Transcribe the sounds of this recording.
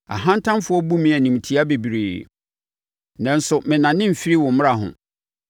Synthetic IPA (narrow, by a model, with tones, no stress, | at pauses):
a̰˨ɦã˦n˦tʰã˦mfʊ˦ɔ˦bu˦mĩ˨˦æ˨nĩ˨m̩˨tʰi˨˦a˦be˨bi˨ɾeː˨ | nã˨n̩˦sʊ˨mɪ̃˨nã˨nɪ̃˦m̩˨fi˦ɾi˦wɔ̃˨m̩m̃˦ɾa˨ɦʊ̰̃˨